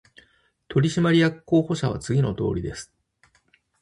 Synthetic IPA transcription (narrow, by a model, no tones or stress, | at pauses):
t̪ʰo̞ɾʲiɕimaɾʲijakɯ̥kːo̞ːho̞ɕaβ̞a̰t͡sɨɡʲino̞t̪o̞̰ːɾʲid̪e̞sɨ̥